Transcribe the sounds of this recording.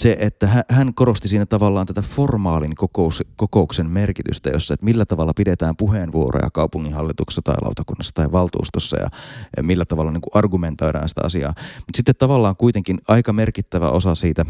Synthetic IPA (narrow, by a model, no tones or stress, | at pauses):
seʔet̪ːæɦæhænkoɾost̪isiːnːæt̪ɑʋɑlːɑːnt̪æt̪æformɑːlinkokouskokouksemmerkit̪y̰st̪æ̰josːɑet̪milːæt̪ɑʋɑlːɑpidet̪æːmpuɦeːnʋuoro̰jɑ̰kɑupuŋːinhɑlːit̪uksːɑt̪ɑ̰ilɑ̰ut̪ɑkunːɑsːɑ̥t̪ɑiʋɑlt̪ṵːst̪osːɑ̰jɑ̰milːæt̪ɑʋɑlːɑniŋkuʔɑrɡument̪o̞iɾɑ̰ːnsi̥t̪æ̰ɑ̰siɑ̰ːmut̪sit̪ːet̪t̪ɑʋɑlːɑːŋkuit̪eŋkinɑikɑmerkit̪ːæʋæ̰ʔosɑsiːt̪æ